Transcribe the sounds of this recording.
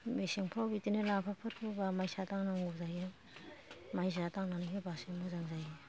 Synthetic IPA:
mesiŋpʰawbitinɯlapʰapʰɯɾkʰɯbamajsataŋnaŋɡuzajɯ | majzataŋnanikʰebasemɯzaŋzajɯ

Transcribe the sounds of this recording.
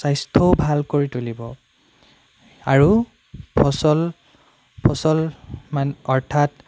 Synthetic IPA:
sajstʰɔʊbʱalkoɹitulibɔ | aɹu | pʰɔsɔl | pʰɔsɔlmanɔɹtʰat

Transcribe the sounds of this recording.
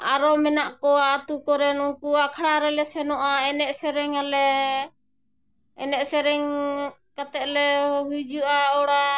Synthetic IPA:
aɾɔmɛnaʔkɔat̪ukɔɾɛnuŋkuakʰaɽaɾɛlɛsɛnɔʔaɛnɛʔsɛɾɛŋalɛ | ɛnɛʔsɛɾɛŋkat̪ɛlɛɦujd͡ʒuʔaɔɽa

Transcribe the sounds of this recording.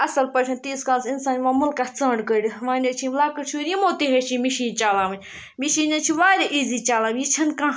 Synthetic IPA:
ɐsɐlpɐt͡ʃʰɐnt̪iːskaːlsinsaːnʋãːmʊlkːat͡sə̃ːɳɖkəɾʲiʋãːnʲɐt͡ʃʰĩmlaːkət͡ʃʰuɾimoːt̪iɦeʃĩmiʃiːnt͡ʃaːlãːmɐnʲ | miʃiːnɐt͡ʃʰiʋaːɾʲeʔiːzit͡ʃaːlaːmjit͡ʃʰɐnkãː

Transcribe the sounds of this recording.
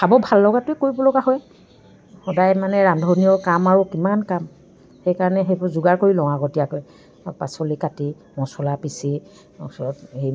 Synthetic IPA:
sabɔbʱalːɔɡatʊɛkoɹibɔlɔɡaɦɔj | xɔdajmanɛɹandʱɔnijɔkamaɹukimankam | xejkaɹɔnɛɦejbɔzuɡaɹkoɹilɔŋaɡɔtijakɔj | pasɔlikati | mɔsɔlapisi | ɔ̰sɔɔthej

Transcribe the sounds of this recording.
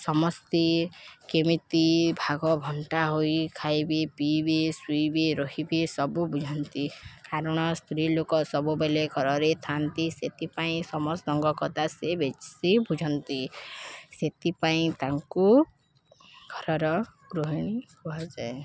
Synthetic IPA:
sɔmɔst̪ikemit̪ibʱaɡɔbʱɔɳʈaɦojkʰajbipibisujbiɾɔɦibisɔbubud͡ʒʱɔnt̪ikaɾɔɽ̃ɔst̪ʰɾilokɔsɔbubeleɡʱɔɾɔɾet̪ʰant̪iset̪ipaĩsɔmɔsɔŋɡɔkɔt̪asebet͡ʃsibud͡ʒʱɔnt̪i | set̪ipaĩt̪aŋku | ɡʱɔɾɔɾɔɡ̥ɾoɦiɽ̃ipuɦad͡ʒae

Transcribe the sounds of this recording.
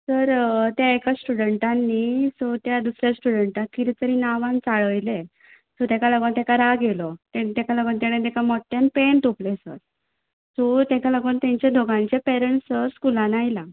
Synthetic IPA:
səɾt̪jaekasʈuɽəɳʈanːisot̪jad̪usɾjasʈuɽəɳʈat̪̚kit̪et̪əɾinaʋãnt͡saɭəjle | sɔt̪ẽkalaɡont̪ekaɾaɡelɔt̪et̪ɛ̃kalaɡont̪aɽ̃et̪̬ɛkamɔʈːjanpeɳt̪oplesə̰ɾ | sɔt̪ɛ̃kalaɡuːnt̪jãɲt͡ɕed̪ʱoɡãɲt͡ɕepɛɾəɳʈsəɾskulãnajla

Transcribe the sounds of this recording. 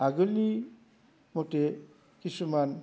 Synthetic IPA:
aɡɔli | mote | kisuman

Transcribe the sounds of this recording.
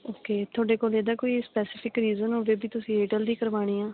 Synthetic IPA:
oːkeːt̪ʰʊoːɖeːkoːleːd̪aːkoːiːspɛːsɪpʰɪkɾiːzənɦoːʋeːbʱiːt̪ʊsĩːeːʈəld̪iːkəɾʋaːɽ̃iːãː

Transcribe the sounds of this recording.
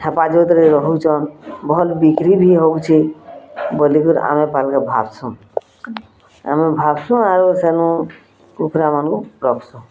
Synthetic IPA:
ʈʰɛpad͡ʒot̪ɾeɾɔɦut͡ʃɔnbʱɔlbikɾibʱiɦoɡt͡ʃʰi | bɔlikuɾa̰mẽpalkabʱa̰bsũ | a̰mẽbʱabsũaɾosenũ | kukʰɾamankuɾɔkʰsũ

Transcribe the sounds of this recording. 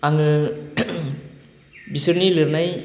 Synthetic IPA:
aŋɯ | bisɯɾnilɯɾnaj

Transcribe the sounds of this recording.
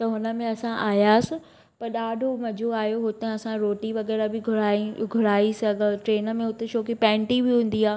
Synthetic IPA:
t̪ɐɦʊnə̆mẽɐsãʔaːjaːsɪ | pɐɾɗaːɖʱomɐd͡ʑʱoaːjoɦʊt̪ẽɐsãɾoːʈiʋɐɣɛːɾabɪɡʱʊaiɡʱʊɾaːisɐɡʱəʈɾeːnə̆mẽɦʊt̪eʃoːkipɛ̃ːɳʈibɪɦũːn̆d̪iaː

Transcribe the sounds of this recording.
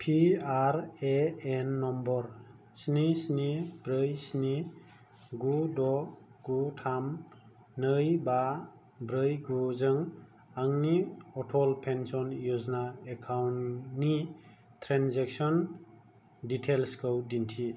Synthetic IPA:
pʰiaɾeenːɔmbɔɾ | snisnibɾɯjsni | ɡudɔɡ̥utʰam | nɯjba | bɾɯjɡuzɯŋ | aŋniɔtʰɔlpʰensɔnjuznaekʰawnni | tʰɾanzek̚sɔn | ditʰelskʰɯwdintʰi

